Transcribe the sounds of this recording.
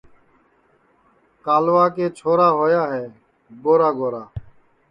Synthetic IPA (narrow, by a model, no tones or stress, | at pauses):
kaːlʋaːkeːt͡ʃʰoːɾaːɦoːjaːɦɛː | ɡoːɾaːɡoːɾaː